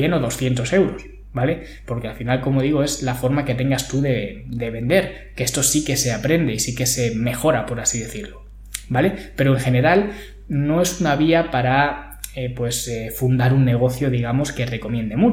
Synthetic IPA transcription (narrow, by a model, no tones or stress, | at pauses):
jeno̞ðo̞sθje̞nt̪o̞se̞wɾo̞s | bale̞ | po̞ɾke̞alfinalko̞moð̞iɣ̞o̞e̞zlafo̞ɾmake̞t̪e̞ŋɡast̪uðe̞d̪e̞βe̞nd̪e̞ɾ | keest̪o̞sike̞se̞apɾe̞nd̪e̞isike̞se̞me̞xo̞ɾapo̞ɾasiðe̞θiɾlo | bale̞pe̞ɾo̞eŋxe̞ne̞ɾal | no̞e̞sunaβiapaɾa | epwe̞sefund̪aɾunːe̞ɣ̞o̞θjo̞ðiɣ̞amo̞ske̞re̞ko̞mjẽ̞nd̪e̞mu